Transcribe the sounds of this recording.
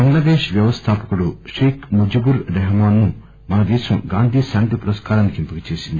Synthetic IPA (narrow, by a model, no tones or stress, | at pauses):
bɐŋɡɭɐd̪eːʃʋjɐʋɐst̪ʰaːpɐkuɽuʂiːkʰmud͡ʒubuɾɾɛɦmaːnːu | mɐnɐd̪ɛːʃɐmɡaːnd̪ʱiːsaːnt̪ipuɾɐskaːɾaːnːikimpikɐt͡ʃeːsind̪ii